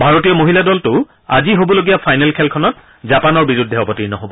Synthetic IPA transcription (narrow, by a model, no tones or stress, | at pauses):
bʱaɹotijɔmoɦiladɔltʊ | aziɦobɔloɡijapʰajnɛlkʰɛlkʰɔnɔt̚ | zapanɔɹbiɹudʱːɛɔpɔtiɹnɔɦobɔ